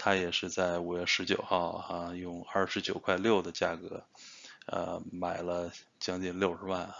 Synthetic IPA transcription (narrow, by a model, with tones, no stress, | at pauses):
t̪ʰa˥jɛ˨˩ʂɻ̩˥˧t͡sa˥˩ɪu˨˩ɥɛ˥˩ʂɻ̩˧˥t͡ɕjo˨˩ʊxɑ˥˩ʊa˥˧jʊ˥˧ŋɐ˥˩ʂɻ̩˧˥t͡ɕjo˨˩ʊkʰwa˥˧ɪljo˥˩ʊd̪ə˩t͡ɕja̰˥˩kɤ˧˥ | ə̰˧ma˨˩ɪlə˦t͡ɕjɑ˥ŋt͡ɕi˥˧nljo˥˩ʊʂɻ̩˧˥wa˥˩n˩